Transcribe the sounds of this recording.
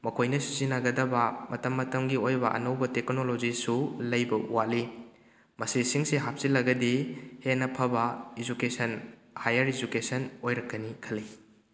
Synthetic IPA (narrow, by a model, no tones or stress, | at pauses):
mɐkʰojnɐsi̥zinɐɡɐdɐbɐmɐtɐmːɐtɐmɡiojbɐʔɐ̰nɐwbɐtek̚nolod͡ʒisulɐjbɐṵwali | mɐsisiŋseɦap̚silɐɡɐdihenːɐpʰɐbɐid͡ʒukesɐn | hajɐɾid͡ʒukesɐnojɾɐkːɐnikʰɐli